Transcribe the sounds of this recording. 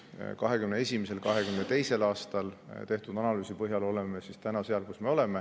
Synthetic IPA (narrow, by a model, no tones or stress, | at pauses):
kɑɦe̞kymneesʲimese̞lkɑɦe̞kymne̞t̪e̞jse̞lɑːst̪ɑlt̪e̞ht̪ud̪ɑnɑlyːsipɤɦjɑlo̞lemesist̪ænɑseɑlkusme̞o̞le̞me̞